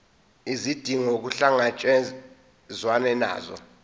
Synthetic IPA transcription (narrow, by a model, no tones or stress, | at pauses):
izid̥ʱiŋok̬uɬaŋat͡ʃʼɛ | zwanɛna̰ːzɔ̰